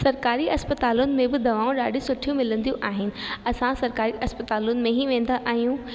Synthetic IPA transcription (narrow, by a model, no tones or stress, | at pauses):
sɐɾkaːɾiɐspət̪aːlʊnɪ̆mẽbɪd̪ɐʋaːũɗaːɖʱisʊʈʰijũmɪlə̃nd̪ijũʔaːɦɪnɪ̆ɐsãsɐɾkaːɾiʔɐspət̪aːlʊnɪ̆mẽɦiʋẽːn̆d̪aʔaːɦijũː